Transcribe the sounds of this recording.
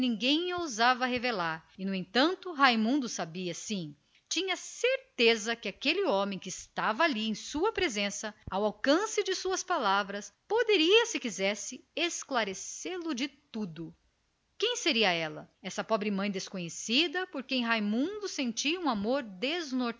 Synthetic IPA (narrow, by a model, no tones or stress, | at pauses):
nĩɡẽj̃owzavɐhevelaɾɪnʊẽnt̪ɐ̃nt̪ʊɦajmũnd̪ʊsabiɐsĩ | t͡ʃĩɲɐseɾt̪ezɐkɪakelɪɔ̃mẽj̃kɪːst̪avɐaliẽj̃suɐpɾezẽsɐawawkɐ̃sɪd͡ʒɪsuɐspalavɾɐspod̪eɾiɐsɪkizɛsɪesklaɾeselʊd͡ʒɪt̪ud̪ʊ | kẽj̃seɾiɐɛlɐ̰ɛsɐpɔbɾɪmɐ̃j̃d̪eskõɲesid̪ɐpoɾkẽj̃ɦajmũnd̪ʊsẽnt͡ʃiɐũamoɾd̪ezno